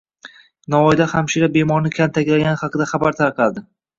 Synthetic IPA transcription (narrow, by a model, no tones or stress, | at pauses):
nɒɒjd̪aχamʃiɾabe̞mɒɾnɪkʲʰant̪ʰakʲlaɡʲanɪχɑqɨd̪aχabaɾt̪ʰaɾqʰɑd̪ɪ